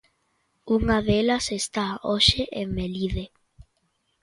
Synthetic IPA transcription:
uŋaðelasest̪aoʃeʔemeliðe

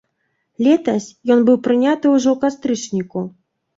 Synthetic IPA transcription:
lʲɛt̪ɐsʲjɔnbɨwpɾɨnʲat̪ɨwuʐɔkast̪ɾɨt͡ʂnʲiku

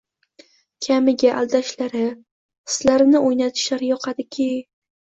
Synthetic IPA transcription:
kʲʰamɪɡʲaʔalˠd̪aʃlaɾɪ | ɪ̥slaɾɪnɪʔojnat̪ʰɪ̥ʃlaɾjɒqʰɑd̪ɪkʲʰɪ

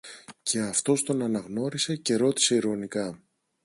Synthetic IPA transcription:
ce̞ɐft̪o̞st̪o̞nɐnɐɣno̞ɾise̞ce̞ɾo̞t̪i̥se̞iɾo̞nikɐ

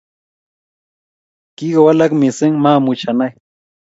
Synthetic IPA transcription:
kiɢawalakmɪsɪŋmamʊt͡ʃanaj

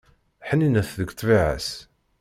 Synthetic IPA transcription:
ħəninæθðəɡt̪ˤːviʕə̰s

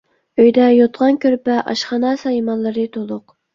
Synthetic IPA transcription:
øjd̪ɛjot̪ʁɑnkʲʰøɾpæʔɑ̰ʃχɑnɑːsɑjimɑnlːˠɨɾɨt̪ʰolˠʊq

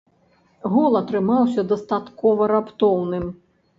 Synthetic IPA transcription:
ɣɔlˠɐt̪ɾɨmawsʲɐd̪ɐst̪at̪kɔvɐɾapt̪ɔwnɨm

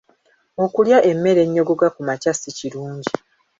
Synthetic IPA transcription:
o̞kuljaʔe̞mːe̞ɾe̞ɲːo̞ɡo̞ɡakumacasiciɾuːɲɟi

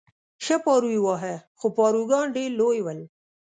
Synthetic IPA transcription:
ʃapɑːɾuiwɑːɦexopɑːɾuɡɑːnɖeɾlojwəl

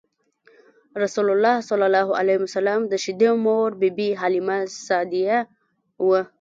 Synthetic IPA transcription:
ɾasulʊlːɑhsʊlalɑɦua̰lamsalamd̪əʃid̪emoɾbibiɦalimasɑd̪ija | wə

